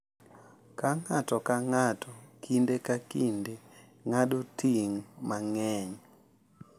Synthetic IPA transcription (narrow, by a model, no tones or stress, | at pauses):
kaŋatɔkaŋatʰɔkʰindekakinde | ŋaɗutʰiŋmaŋɛɲɔ